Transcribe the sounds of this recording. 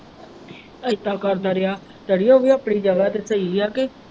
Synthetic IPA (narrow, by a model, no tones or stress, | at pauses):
əɪt̪aːkəɾd̪aːɾɪaː | t̪əɽijõːʋiːəːpɽiːd͡ʒəɡaːt̪eːsəiːjaːke